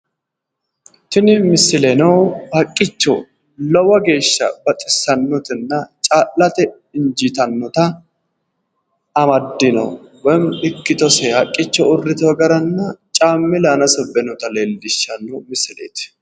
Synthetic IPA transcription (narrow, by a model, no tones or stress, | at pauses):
t̪ɪnɪmɪsːɪlɛnɐwhɐkʼːɪt͡ʃːɔ̰ | lɔwɐɡe̞ːʃːɐ̰bɐt̪ʼɪsːɐnːɔt̪ɪnːɐt͡ʃʼaːlːɐt̪ɛ | ɪnd͡ʒɪt̪ɐnːɔt̪ɐ | mɐd̪ːɪnɔ̰wɔmɪkːɪt̪ɔsɛhɐkʼːɪt͡ʃːɔʊrːɪt̪ɐwɐɡɐɾɐnːɐt͡ʃʼaːmːɪlaːnɐsɔbɛnɔt̪ɐleːlːɪʃːɐnːɔmɪsːɪlḛːt̪ɪ̥